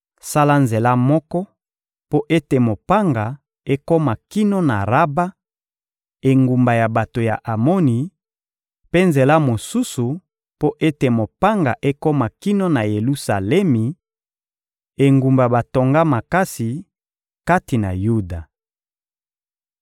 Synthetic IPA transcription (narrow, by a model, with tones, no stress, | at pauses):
sa˦la˦nze˨la˦mɔ˦kɔ˦ | po˦ʔe˦te˨mo˨pa˦ŋɡa˨ | e˦ko˦ma˨ki˦no˦na˨ʁa˦ba˦ | e˨ŋɡu˨mba˨ja˨ba˨to˨ja̰˨ʔa˨mo˦ni˨ | pe˦nze˨la˦mo˨su˦su˨ | po˦ʔe˦te˨mo˨pa˦ŋɡa˨ʔe˦ko˦ma˨ki˦no˦na˨je˨lu˦sa̰˨lɛ˦mi˨ | e˨ŋɡu˨mba˨ba˨to˨ŋɡa˦ma˨ka˦si˨ | ka˦ti˨na̰˨ju˦da˨